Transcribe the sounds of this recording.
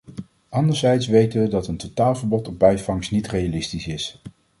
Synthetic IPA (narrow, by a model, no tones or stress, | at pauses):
ɑndəɹzɛjtsʋejtəʋədɑtəntotaːlˠvəɹbɔtɔb̚bɛjvɑŋsnitrejalɪstisɪs